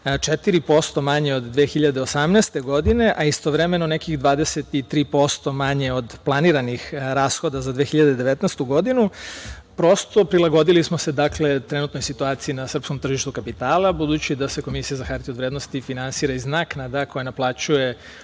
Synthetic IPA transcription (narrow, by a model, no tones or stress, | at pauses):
t͡ʃet̪iɾipo̞st̪o̞maɲe̞o̞d̪ːʋeːxiʎad̪eosamneːst̪e̞ɡo̞d̪ine̞ʔaist̪o̞ʋɾeme̞no̞nekixd̪ʋaːd̪eset̪it̪ɾiːpo̞st̪o̞maɲe̞o̞d̪plˠaniɾanixɾaːsxo̞d̪azad̪ʋexiʎad̪ed̪e̞ʋet̪nɛst̪uɡo̞d̪inu | pɾo̞st̪o̞pɾilˠaɡo̞d̪ilismo̞se̞d̪akle̞t̪ɾe̞nuːt̪no̞jsit̪uaːt̪siinasr̩pskomt̪r̩ʒiʃt̪ukapit̪aːlˠabud̪ut͡ɕid̪ase̞ko̞misijazaxaɾt̪iod̪ʋɾeːd̪nost̪ifinansiːɾaiznaknad̪ako̞janaplˠaːt͡ɕuje̞